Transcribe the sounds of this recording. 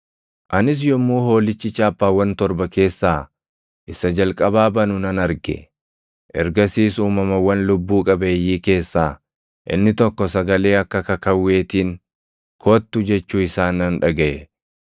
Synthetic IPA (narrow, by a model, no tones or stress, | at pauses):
ʔɐnɪs̬jɔmːuːɦo̞ːlɪt͡ʃːɪt͡ʃːaːpːaːwːɐnt̪ɔɾbɐke̞ːsːaː | ʔɪsɐd͡ʒɐlkʼɐbaːbɐnʊnɐnɐɾɡɛ̰ | ʔɛɾɡɐsiːsuːmɐmɐwːɐnlʊbːuːkʼɐbeːjːiːke̞ːsːaː | ʔɪ̰nːɪt̪ɔkːɔsɐɡɐle̞ːɐkːɐkɐkɐwːe̞ːt̪iːŋ | kʰoːt̪ːʊd͡ʒɛt͡ʃːuːɪsaːnːɐnᶑɐɡɐʔɛ